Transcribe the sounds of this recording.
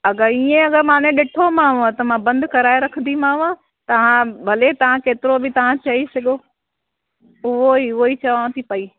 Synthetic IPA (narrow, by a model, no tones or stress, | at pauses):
ɐɡəiːẽɐɡəɾmãːnẽɗɪʈʰomãːʋat̪ɐmãbɐ̃nd̪kɐɾaːeɾɐkʰənd̪imãːʋã | t̪ɐʋ̤ãbʱɐlet̪ɐʋ̤ãkeːt̪ɪɾobʱɪt̪ɐʋ̤ãt͡ɕɐɦisɐɠjo | ʊɦoiʊɦoit͡ɕɐʋaːʋ̃t̪ʰipɐiː